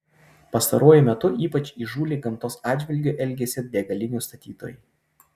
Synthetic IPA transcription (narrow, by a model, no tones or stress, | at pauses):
pɐst̪ɐɾoɔjʊmʲɛt̪ʊʔiːpɐt͡ʃʲiʒuːlʲeːɡɐmt̪oːsɑːd̪ʲd͡ʒʲʋʲɪlʲɡʲoʔɛlʲɡʲesʲɪd̪ʲeɡɐlʲɪnʲuˑst̪ɐt̪ʲiːt̪o̰ːj